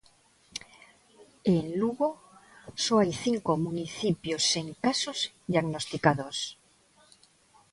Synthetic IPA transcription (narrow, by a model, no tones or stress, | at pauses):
enluɣo | soajθiŋkomuniθipjoseŋkasoz | ðijaɣnost̪ikað̞os